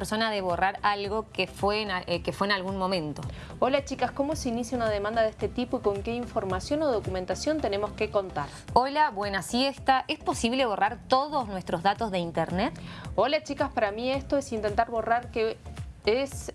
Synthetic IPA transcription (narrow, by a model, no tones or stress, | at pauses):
peɾso̞naðeβo̞raɾalɣo̞kefwenakefweːnalɣunmo̞mẽ̞nt̪o̞̰ | o̞lat͡ʃikasko̞mo̞seinisjaunað̞emãnd̪aðest̪e̞t̪ipoiko̞ŋke̞iɱfo̞ɾmasjo̞no̞ð̞okumẽnt̪asjo̞nt̪e̞ne̞mo̞skeko̞nt̪aɾ | olaβwe̞nasjest̪aʔespo̞siβleβ̞o̞raɾt̪oðosnwe̞st̪ɾo̞zðat̪o̞zðe̞int̪eɾnet̪olat͡ʃikaspaɾamiest̪o̞esint̪e̞nt̪aɾβo̞raɾkees